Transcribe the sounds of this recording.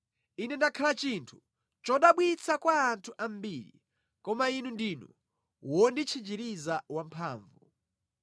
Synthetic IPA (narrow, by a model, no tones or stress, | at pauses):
inɛndakʰalat͡ʃintʰu̥ | t͡ʃɔɗaɓwit͡sʰakwaːntʰuʔam̩biɾḭ | kɔmainundinṵ | wɔndit͡ʃʰid͡ʒiɾizawampʰa̰ːɱvu